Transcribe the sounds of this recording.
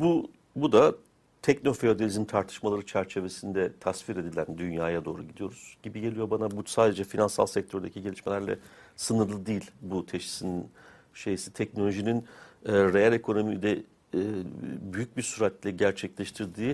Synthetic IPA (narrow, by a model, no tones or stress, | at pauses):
bu | bud̪a | t̪ʰɛcno̞fe̞o̞d̪elʲizimt̪ʰaɾt̪ʰɯ̥ʃmalˠaɾɯt͡ʃʰæɾt͡ʃʰe̞ve̞sind̪ɛt̪ʰasviɾe̞d̪ilʲænd̪ynjaːjad̪o̞ːɾuɟid̪ijo̞̰ɾuz̥ɟibiɟe̞lʲijo̞banabusaːd̪e̞d͡ʒɛfinansalˠsɛc̚t̪ʰøɾd̪ecʰiɟe̞lʲiʃme̞lʲæɾlʲɛ̰ | sɯnɯɾlˠɯd̪iːlʲbut̪ʰeʃi̥sinin | ʃe̞jisi̥t̪ʰɛcno̞lʲo̞ʒininːɾe̞jalʲe̞kʰo̞no̞mid̪ɛ | byjyc̚biɾsyɾat̪lʲɛɟæɾt͡ʃʰɛclʲeʃt̪ʰiɾd̪iː